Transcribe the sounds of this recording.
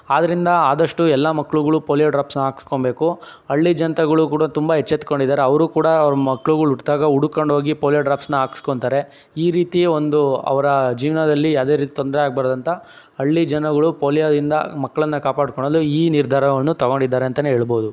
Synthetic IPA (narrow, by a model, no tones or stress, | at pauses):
aːd̪ɐɾind̪ɐaːd̪ɐʂʈuɛlːamɐkːɐɭuɡɐɭupoːlijaɖɾaːpsnɐaːkskoɳbe̞ːku | ɐɭːid͡ʒɐnt̪ɐɡɐɭukuːɽɐt̪umbɐɦet͡ʃːet̪koɳɖid̪ːaːɾeɐʋɐɾuːkuːɽɐɾɐmɐkːɐɭuɡɐɭuʈt̪aːɡɐuɽukːo̞ɳɖɦoːɡipoːljaɖɾaːpsnɐaːkskoɳt̪aːɾe̞ | iːɾiːt̪iond̪uɐ̰ʋɐɾɐd͡ʒiːʋnɐd̪ɐlːijaːwd̪eɾiːt̪it̪ond̪ɾɛaːɡ̚bɐɾd̪ɐnt̪ɐ | ɐɭːid͡ʒɐnɐɡɐɭupoːlijad̪ind̪ɐ̰mɐkːɐɭɐnːɐkaːpaːɽkoɳ̃ːɐlːuiːniɾd̪ʱaːɾɐʋɐnːut̪ɐɡoɳɖid̪ːaːɾeɐnt̪ɐneɦeːɭbo̞ːd̪u